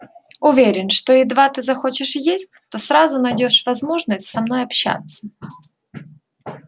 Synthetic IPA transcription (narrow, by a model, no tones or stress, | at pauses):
ʊvʲeɾʲɪnʂt̪oɪd̪vat̪ɨzɐxo̞t͡ɕɪʂjesʲt̚ʲt̪osɾazʊnɐjdʲo̞ʂvɐzmo̞ʐnəsʲtʲsɐmno̞jɐpɕa̰t̪sːə